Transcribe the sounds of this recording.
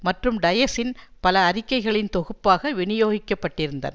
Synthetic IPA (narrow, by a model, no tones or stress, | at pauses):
mɐʈrɯmɖɐjɐsɪnpɐlɐːɾɪkːɐɪɣɐɭɪnt̪ɔɣɯpːaːɣɐʋɪɳɪjoːɣɪkːɐpːɐʈːɪɾɯnd̪ɐ̰nɐ